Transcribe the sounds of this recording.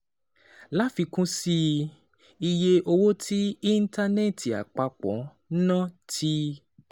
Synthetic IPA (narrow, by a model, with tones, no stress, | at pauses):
la˦fi˧kũ˦si˧ | i˧je˧ʔo˧wo˦tʰi˦i˦n̩˦ta˧nɛ˦˨ti˨a̰˨k͡pa˧k͡pɔ̰̃˨˦ | nã˦˨tʰi˦